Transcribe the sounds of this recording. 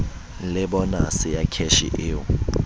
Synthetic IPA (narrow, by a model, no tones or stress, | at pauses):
lɪbɔnasɪjakʰɛʃḭʔeːʊ